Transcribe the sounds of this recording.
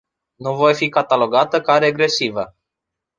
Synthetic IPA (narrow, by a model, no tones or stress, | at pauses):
nuvo̞jfikat̪alo̞ɡat̪əkaɾeaɡɾe̞sivə